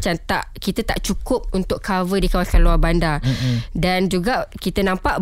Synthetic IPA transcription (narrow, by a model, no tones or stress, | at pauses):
t͡ʃant̪aʔkit̪ət̪a̰ʔt͡ʃukʊp̚unt̪ʊʔkavədikawasanluarbandadand͡ʒuɡakit̪ənãmpaʔ